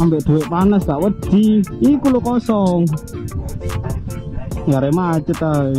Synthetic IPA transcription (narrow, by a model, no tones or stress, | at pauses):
ambɛʔd̪̥uweʔpanəsɡaʔwəd̪̥iikulokɔsɔŋ | ŋaɾemat͡ʃət̪a